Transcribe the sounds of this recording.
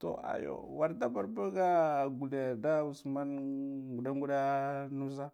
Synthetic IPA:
to̰˨a̰˨jo̰˨wa˨ɾda˦ba˨ɾbo˦ɡa˦˨ɡu˨de˨da˦u˨sma˦nɡu˨da˦ŋɡu˦da˦nu˦sa˦

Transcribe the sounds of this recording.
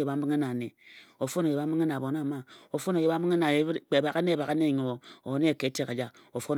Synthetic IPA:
je˨ba˨m̩˦bi˦ŋ˦e˦na˨ne˨o˨fo˦no˨je˨ba˨˦m̩˦bi˦ŋe˦na˨bo˨na˦˨ma˦o˨fo˦no˨je˨ba˨˦m̩˦bi˦e˦na˨e˨˦k͡pe˨ba˨ka˦ne˦˨ba˨ka˦ne˦˨ɲo˨o˨˦ne˦e˨ke˨˦te˦˨ka˨d͡ʒa˦ | o˨fo˦n

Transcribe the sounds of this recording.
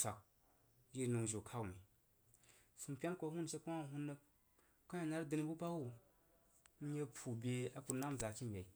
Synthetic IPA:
a˨k̚ | ji˦ɾnu˨ŋʒo˨kʰa˦wu˨mi˨ | su˨m˨pʲe˦n˦ko˨˦hu˦nʃe˦ku˦a˦˨ɦu˦nːa˦ | ka˦ja˨na˦ɾdɨ˦ni˦bu˦pa˦wu˨ | m̩˦ɲe˦pʰu˨bʲe˨a˨ku˨ɾna˦m˨za˨ki˦m˨bʲe˨i˨

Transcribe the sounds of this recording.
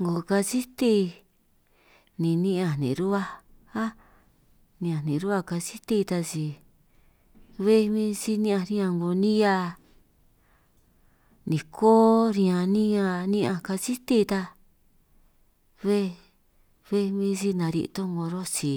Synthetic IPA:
ŋɡo˨ka˧si˦t̪i˦ | nĩ˨nĩ˦ã˧˨nḭ̃˨˧ɾu˦βa˧a˦ | nĩ˧ã˨nĩ˨˧ɾu˦a˦ka˧si˦t̪i˦˧t̪a˧si˧ | βe˦˧mĩ˦si˧nĩ˦ã˧ɾi˦ã˧ŋɡo˧nĩ˦ja˧ | nĩ˨kʰoː˦ɾĩ˧ã˧nĩ˦ã˧nĩ˦ã˧ka˧si˦t̪i˦˧t̪a˧ | βe˦ | βe˦˧mĩ˧si˧nã˨˧ɾḭ˧ʔt̪o˦ŋɡo˧ɾo˦si˧

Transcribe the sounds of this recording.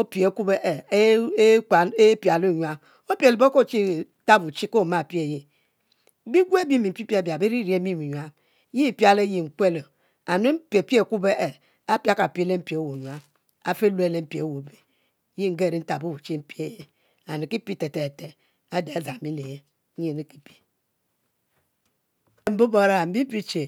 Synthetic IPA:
o˦pi˨e˨˦ku˦be˦ʔe˨˦˨ | e˦pi˨a˨lu˦˨ɲ˦a˦ | o˦pi˦e˨le˨bo˦ko˦˨t͡ʃi˦˨˦ta˦bu˨t͡ʃi˦ko˦˨ma˦˨pi˦e˦˨je˨˦ | bi˦ɡʷu˦e˦bi˦mi˨m̩˨pi˦pi˦a˨bi˨a˨be˦ɾi˦ɾi˦e˦mi˦mu˨ɲʷ˨a˦ | i˦˨pi˦a˦le˦ji˨ŋ̩˨kʷe˦lo˨ | a˨nu˦pe˨pi˦e˦˨ku˦be˦ʔe˨ | a˦pja˦ka˨pi˦le˦m̩˦pi˨e˨˦wo˨ɲu˨a˦ | a̰˨fe˦lu˦e˦le˦m̩˦pi˨e˨wo˨be˨˦ | ji˦ŋ̩˦ɡe˦˨ɾi˦n̩˦ta˨bu˦u˨t͡ʃi˦m̩˦pi˦e˦˨je˦ | a˨nu˨ki˦pi˦te˨te˨te˨ | a˦de˨a˨˦za˨mi˦le˨je˦ | je˨ne˦ki˦pi̥˨ | m̩˨˦bo˦bo˦ɾa˦˨m̩˨bi˦m̩˦pi˦t͡ʃe˨

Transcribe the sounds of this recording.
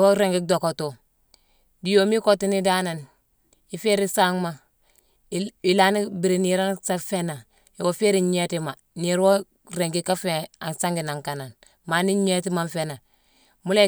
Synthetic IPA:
wo˦ɾe˨ŋɡi˦do˨ko˨to˨ | di˨jo˨mi˦ko˦ti˦ni˦da˦na˨n | i˨fe˦ɾi˦sa˦ŋma˨ | i˨la˦ni˦bi˨ɾi˨ni˨ɾa˦nsa˦fe˦na˨ | i˨wo˨fe˦ɾi˨ɲ˦e˦ti˦ma˨ | ni˨ɾwo˦ | ɾe˨ŋɡi˦ka˦fe˨a˨nsa˦ŋɡi˨na˨ŋka˨na˨n | ma˨ni˦ɲ˦e˦ti˦ma˦nfe˦na˨ | mu˦le˦

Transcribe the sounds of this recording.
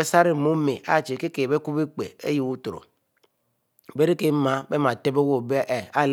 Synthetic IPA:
e˦sa˦ɾi˦˨mo˦me˨a̰˦˨t͡ʃe˨ke˦ke˨be˦ku˦bi˦k͡pḛ˨ḛ˦ji˨wu˦to˨ɾo̰˨ | be˦ɾi˦ke˦ma˦be˦ma˨te˦be˦wo˦˨bʔe˨a˦˨l

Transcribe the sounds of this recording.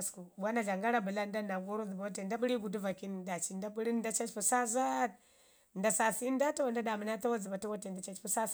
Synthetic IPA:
sku˨ɓʷa˦na˨ɮa˨ŋɡa˦ɾa˦bə˨la˦nda˦na˨ɡo˦ɾo˦zi˨ba˨wa˦te˨nda˦ɓu˦ɾi˦ɡu˨du˦va˨ki˦nda˨t͡ʃi˨nda˦ɓu˦ɾi˦n˦da˦t͡ʃa˦t͡ʃpu˨sa˦za˦˨t̚ | nda˨sa˨si˦n˦da˦ta˦wa˨nda˦da˨mə˨na˦ta˦wa˦d͡zi˨ba˨ta˦wo˦te˨nda˨t͡ʃa˦t͡ʃpu˦sa˦

